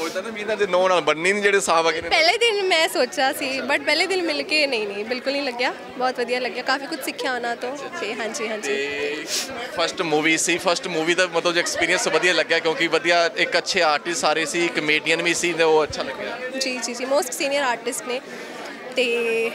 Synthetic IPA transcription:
ot̪ãebinaːd̪eːnɔ̃ːnaːlbənːiːniːd͡ʒeːɽeːsãːbəɡepɛːleːd̪ɪnmɛ̃ːsoːt͡ʃaːsiːbəʈ̚pɛːleːd̪ɪnmɪlkeːnə̃ĩːnĩːbɪlkʊlnĩːləɡːjaː | bɔːt̪ʋəd̪ijaːləɡːjaːkaːfiːkʊd͡ʒʱsɪkʰːjaːoːnaːt̪õːt̪eːɦãːɲd͡ʒiːɦãːɲiː | pʰəɾsʈmuːʋiːsiːpʰəɾsʈmuːʋiːt̪əbmət̪ləbɛːkspiːɾijə̃nsːʋəd̪ijaːləɡjaːkjõːkɪʋəd̪ijaːɪkətːʃʰeːaːɾʈɪssaːɾeːsiːkəmeːʈijənʋĩːsiːneoːətːʃʰaːləɡaːd͡ʒiːd͡ʒiːd͡ʒiːmoːsʈsiːnɪjəɾaːɾʈɪsʈneː | t̪eː

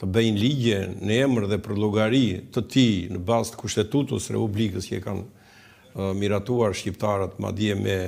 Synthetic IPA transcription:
t̪əbɛjnliɟɛnəɛməɾðɛpəɾlˠɔɡaɾit̪ət̪inəbast̪ə̥kuʃt̪ɛt̪ut̪əsɾɛ̰publikəscɛka̰n | miɾat̪uaɾʃcip̚t̪aɾət̪ma̰d̪iɛmɛ

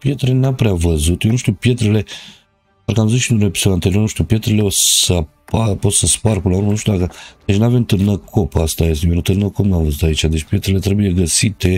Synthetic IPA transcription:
pjet̪ɾenapɾʲeavəzut̪jonuʃt̪upjet̪ɾele̥ | aɾkamzuʃinuɾepsuant̪eɾionuʃt̪upjet̪ɾelesəpapossəspaɾpɨnauɾnuʃt̪ud̪akəd̪̥et͡ʃnavent̪ɨɾnəkʰopast̪ajest̪ʲijonut̪ɨɾnəkopnamvəzut̪ait͡ʃad̪et͡ʃpjet̪ɾelet̪ɾebujeɡəsit̪e

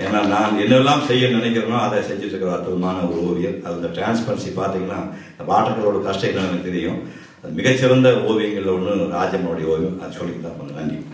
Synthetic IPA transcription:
eːnːaːnaːnɛnːɛlːaːmsɛjːɐnɪnɛk̬ʲːɪɾɐnaːɐðɐsɛɲd͡ʒɪʈːɯkːɐɾɐɐt̪ːuʋɐmaːnɐoːʋɪjɐlɐðɐnd̪ɐʈɾaːnspɐɾɐsipːaːɾt̪iːŋɡɐnːaː | ɪnd̪ɐpaːʈːɐkːɐɭoːɽɐkɐsʈɐkːɐɳɐnɐt̪ɪɾɪjʊ̰̃ | ɐðɯmɪɣɐt͡ʃːɪɾɐnd̪ɐoːʋɪjɐŋɡɐɭɭːɔɳːɯɾaːd͡ʒɐmoɽɐjɐoːʋijũɐðɯsɔlːɪkːt̪ːaːɐnɐk̪ɐɳɖi

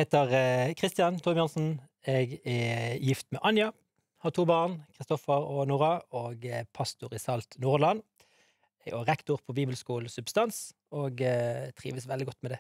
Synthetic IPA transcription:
heːt̪əʁkʰʁɪst̪ɪjɑnt̪ʰʊmɪjɑnsn̩ɛɡɛjɪft̪mɛʔɑnjɑ | hɑʁt̪ʰuːbɑːʁnkʰʁɪst̪ɔfəʁɔnuːʁɑoːɡpʰɑst̪ʊʁɪsɑlt̪nuːʁlɑn | ɛɔʁɛkt̪ʊʁpʰɔbiːbəlskuːl̩sʉbst̪ɑns | oːɡt̪ʰʁḭːʋəsʋɛlɪɡɔt̪ːmɛd̪ɛ

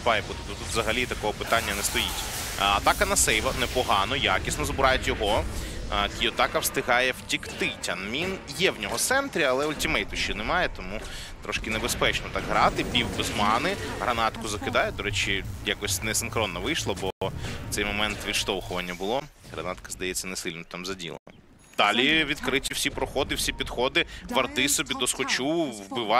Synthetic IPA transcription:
pɑjpʊt̪ɪt̪ut̪ut̪ʋzɐɦɐlʲit̪ɐkɔɦɔpɪt̪anʲːɐnɛst̪ɔjitʲ | ɐt̪ɑkɐnɐsɛjʋɐnɛpɔɦɑnɔjakʲisnɔzbʊɾɑjɛtʲjɔɦɔ | kʲijɔt̪ɑkɐwst̪ɪɦɑjɛwtʲikt̪ɪtʲɐnmʲinjɛwnʲɔɦɔt̪sɛnt̪ɾʲiɐlˠɛʊlʲtʲimɛjt̪ʊʃt͡ʃinɛmɑjɛt̪ɔmu | t̪ɾɔʃkɪnebespɛt͡ʃnɔt̪ɑɡɦɾɑt̪ɪpʲiwbɪzmɑnɪɦɾɐnɑt̪kʊzɐkɪd̪ɑjɛd̪ɔɾɛt͡ʃɪjakɔsʲnɛsɪnxɾɔnːɐʋɪjʃlˠɐbɔt̪sɛjmɔmɛnt̪ʋʲid̪ʃt̪ɔwxʊʋɐnʲːɐbʊlˠɔɦɾɐ̰nɑt̪kɐzd̪ɐjɛt͡sʲːɐnesɪlʲnɔt̪amzɐdʲḭlˠḛnɐ | d̪̥ɑlʲiʋʲid̪kɾɪtʲiw̥sʲipɾɔxɔd̪ɪwsʲipʲid̪xɔd̪ɪʋɐrd̪ɪsɔbʲid̪ɔsxɔt͡ʃuwbɪʋɑ

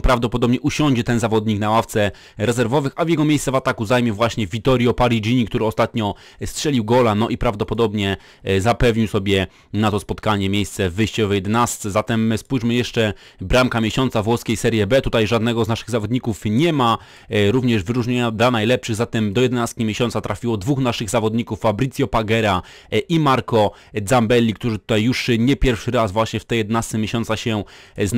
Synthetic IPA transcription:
pɾavd̪ɔpɔd̪ɔbɲɛʔuɕɔ̃ɲd͡ʑɛt̪ɛnzavɔd̪ɲiknawaft̪sɛ | ɾɛzɛɾvɔvɘxavjɛɡɔmʲejst̪sɛvat̪akuzajmʲjɛvwaɕɲɛvʲit̪ɔɾʲjɔpaɾid͡ʑiɲikt̪uɾɘɔst̪at̪ɲɔ | stʂɛlʲiwɡɔlanɔʔipɾavd̪ɔpɔd̪ɔbɲɛ | zapɛvɲiwsɔbʲjɛ | nat̪ɔspɔt̪kaɲɛmʲjejst̪sɛvɘjɕt͡ɕɛvɔjɛd̪ɛnast̪sɛzat̪ɛmspujʐmɘjɛʂt͡ʂɛ | bɾamkamʲjeɕɔnt̪savwɔskʲejsɛɾjɛbɛt̪ut̪ajʐad̪nɛɡɔznaʂɘɣzavɔd̪ɲikufɲɛma | ɾuvɲɛʐvɘɾuʐɲeɲad̪lanajlɛpʂɘɣzat̪ɛmd̪ɔjɛd̪ɛnast̪kʲimʲeɕɔnt̪sat̪ɾafʲiwɔd̪vuxnaʂɘɣzavɔd̪ɲikufːabɾɨt̪sʲjɔpaɡɛɾa | ʔimaɾkɔ | d̪zambɛlʲːik̚t̪uʐɘt̪u̥t̪ajːuʂɲɛpʲjɛɾfʂɘɾazvwaɕɲɛft̪ɛjɛd̪ɛnast̪sɛmʲeɕɔnsaɕɛ | z

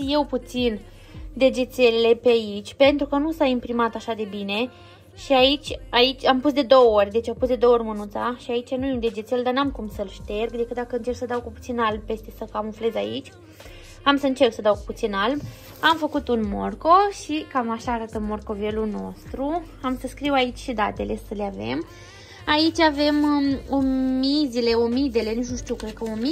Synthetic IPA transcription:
je̞wput̪sin | d̪e̞d͡ʒet̪se̞lele̞peait͡ʃʲpe̞nt̪ɾukənusaimpɾimat̪aʃad̪e̞bine̞ | ʃiait͡ʃʲait͡ʃʲampusd̪e̞d̪o̞wəorʲd̪e̞t͡ʃapusd̪eooorʲmənunt̪sa̰ʃiait͡ʃanuund̪e̞d͡ʒet̪se̞ld̪anamkumsəlʃt̪e̞rɡd̪e̞kɨt̪̚d̪akəɨnt͡ʃerksəd̪awkuput̪sinalb̚pe̞st̪e̞səkamunfle̞zʲait͡ʃʲ | amsəɨnt͡ʃe̞rksəd̪awkuput̪sinalb | amfəkut̪unmo̞̰rko̞ʃikamaʃaːɾat̪əmo̞rko̞ve̞luno̞̰st̪ɾu | amsəskɾiwait͡ʃʲʃid̪at̪e̞le̞səleave̞̰m | ait͡ʃʲave̞momizile̞omid̪e̞le̞nit͡ʃnuʃt̪iukɾed̪kəomi

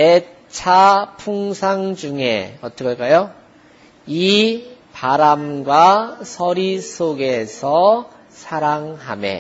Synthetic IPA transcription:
e | t͡ɕʰapʰuŋsʰaŋd͡ʑuŋḛʌt͈ʌkʌɭk͈ajo | i | paɾamɡwasʰʌɾisʰoɡe̞sʰʌ | sʰaɾaŋɦamḛ

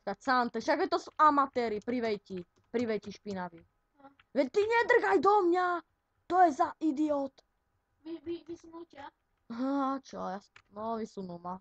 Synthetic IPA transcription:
kasant̪ɛʃaɡɛt̪ɔsuʔamat̪ɛɾipɾiʋɛjci | pɾiʋɛjciʃpinaʋi | ʋɛct̪iɲɛd̪r̩ɣajd̪ɔmɲa | t̪ɔjɛzaʔid̪iɔːt̪ | ʋiʋiʋisunuca | ɦat͡ʃɔjanɔʋisunuma

